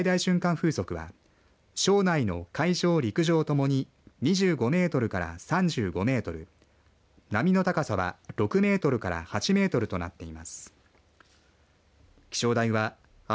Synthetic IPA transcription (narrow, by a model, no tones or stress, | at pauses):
id̪aiɕɨ̃ŋkãɰ̃ɸɯ̟ːso̞kɯ̟βa̰ | ɕo̞ːnaino̞kaiɕo̞ːɾʲikɯ̟ʑo̞ːt̪o̞mo̞ɲ̟i | ɲ̟iʑɨːɡo̞me̞ːt̪o̞ɾɯ̟kaɾa̰sãɲ̟d͡ʑɨːɡo̞me̞ːt̪o̞ɾɯ̟̰ | namʲino̞t̪akasaβa̰ɾo̞kɯ̟me̞ːt̪o̞ɾɯ̟kaɾa̰hat͡ɕime̞ːt̪o̞ɾɯ̟t̪o̞na̰t̪ːe̞imasɨ̥ | kʲi̥ɕo̞ːd̪aiβa